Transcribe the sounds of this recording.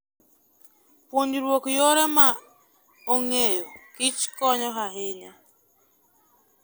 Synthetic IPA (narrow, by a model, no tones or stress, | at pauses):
pwoɲiɾwokjoɾema | oŋejokit͡ʃi̥kɔɲɔɦaɦeɲa